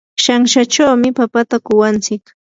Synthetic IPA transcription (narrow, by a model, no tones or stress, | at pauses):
ʃaŋʃat͡ʃawmɪpapat̪akʊwant͡sɪk